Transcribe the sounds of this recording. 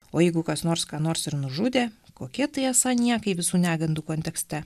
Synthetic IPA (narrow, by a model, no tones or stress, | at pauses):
oːjɛɪɡʊkɐsnoːɾskɑːnoːɾsɪɾnʊʒʊd̪ʲeːkoːkʲiɛt̪ɐɪɛsɑnʲiɛkɐɪʋʲɪsuːnʲæːɡɐnd̪uːkoːnʲt̪ʲɛksʲt̪ʲɛ